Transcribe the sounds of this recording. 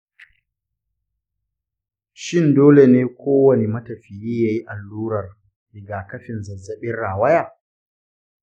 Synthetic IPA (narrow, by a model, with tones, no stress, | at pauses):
ʃɪ˦˨ndoː˦le˨neː˦kʷoː˦wɐ˨ne˨mɐ˦tɐ˨ɸɪ˨jiː˦jaː˦ji˦ʔa˨lːuː˦ɾɐ˨r | lɪ˨ɡaː˨kɐ˦ɸɪ˨nzɐ˨zːɐ˨ɓɪ˦rɽaː˨wɐ˦jaː˨